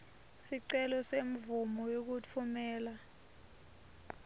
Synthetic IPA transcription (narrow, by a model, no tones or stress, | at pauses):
siǀɛlɔsemvumɔjok̬ut͡fʰumɛːla